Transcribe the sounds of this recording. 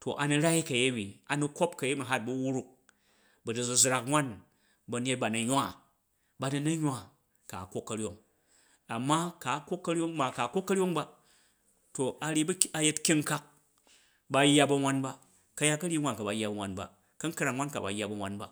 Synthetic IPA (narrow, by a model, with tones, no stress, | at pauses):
to˨ʔa˨ni˧ɾa˦i˦kɐ˨je˦mi˨a˨nu˦ko˦pkɐ˨je˦mi˨ɦa˦t̚bɐ˦wu˦ɾu˦k̚ | bɐ˨dɨ˨d͡zu˨zɾa˨kŋʷa˦n | bɐ˨n˦e˦t̚ba˨nɐ˨ɲʷ˦a˦˨ | ba˨ni˦nɐ˦ɲʲʷ˦a˦ | ka̰˨kʷo˦kːɐ˨ɾjo˦ŋ | a˨mːa˦ka˨˦kʷo˦kːɐ˦ɾʲo˦ŋma˨ka˨kʷo˦kːɐ˦ɾjo˦ŋba˦ | to˨a˨ɾʲi˦bɐ˦a˨je˦tkʲi˦ŋ˦ka˦k̚ | ba˨˦jːa˦˧bɐ˧ŋʷa˦nba˦ | kɐ˧ja˦kɐ˦ɾʲi˦ŋʷa˦nka˨ba˨˦jːa˦bɐ˨ŋʷa˦nba̰˨ | kɐ˦ŋkɾa˨ŋŋʷa˦nka̰˨ba̰˨˦jːa˦˨bɐ˨ŋʷa˦nba̰˦